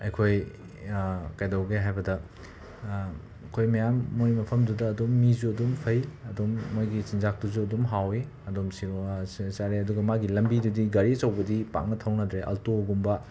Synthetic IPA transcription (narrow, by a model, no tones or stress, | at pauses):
ɐjkʰoj | kɐjdɐwɡeɦajbɐdɐ | kʰojmɐjamːojmɐpʰɐmdudɐːdumːizuɐdumpʰɐjɐdumːojɡisinzak̚tuzuɐdumɦawi | ɐdomsisaɾeɐduɡɐmaɡilɐmbidudiɡɐɾisɐwbɐdipa̰ŋnɐtʰɐwnɐdɾeʔɐ̰ltoɡumbɐ